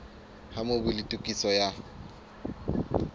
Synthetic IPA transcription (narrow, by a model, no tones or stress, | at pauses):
hamobʊlitʼukʼisɔja